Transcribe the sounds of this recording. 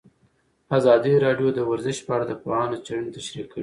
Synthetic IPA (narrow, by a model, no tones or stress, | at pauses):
azɑd̪iɾɑɖjod̪əwaɾzɪʃpəaɽad̪əpoɑnot͡ʃaɽənt̪aʃɾikːəi